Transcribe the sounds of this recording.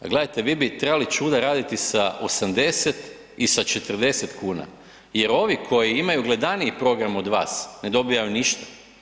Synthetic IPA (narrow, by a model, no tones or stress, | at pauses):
ɡle̞d̪ajt̪e̞ʋiːbit̪ɾebalit͡ʃuːd̪aɾaːd̪it̪isao̞samd̪e̞set̪ | isat͡ʃe̞t̪ər̩d̪e̞se̞t̪kuːna̰ | je̞ɾo̞ʋikʰo̞jiimajuɡle̞d̪aniipɾo̞ɡɾamo̞d̪ʋa̰ːsne̞d̪o̞bijajuniʃt̪ḁ